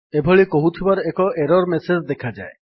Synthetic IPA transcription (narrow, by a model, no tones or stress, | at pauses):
ebʱɔɭikoɦut̪ʰibaɾekɔʔeɾɔɾmesed͡ʒd̪ekʰad͡ʒa̰e